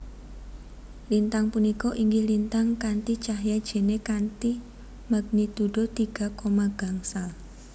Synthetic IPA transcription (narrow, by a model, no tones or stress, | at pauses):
lint̪aŋpunikɔʔiŋɡilint̪aŋkant̪it͡ʃaɦjad̥ʒ̥e̤nekant̪i | maɡ̚nit̪uɖ̥ot̪iɡ̥a̤komaɡ̥a̤ŋsal